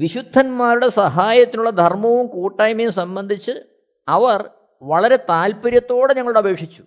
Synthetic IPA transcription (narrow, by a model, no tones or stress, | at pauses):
ʋiɕud̪ʱːɐnmaːɾuɽe̞sɐɦaːjɐt̪ːinuɭːɐd̪ʱɐrmɐʋumkuːʈːɐːjmɐjumsɐmbɐnd̪ʱit͡ɕːɨ | ɐʋɐr | ʋɐɭɐɾe̞t̪aːlpɐɾjɐt̪ːo̞ːɽeɲɐŋːɐɭuɽeɐbʱe̞ːkʂit͡ɕːu̥